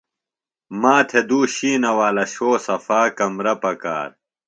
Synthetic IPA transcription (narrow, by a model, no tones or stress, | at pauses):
maːt̪ʰed̪uːɕiːnɐwaːlɐɕoːsɐfaːkɐmɾɐpɐka̰ːɾ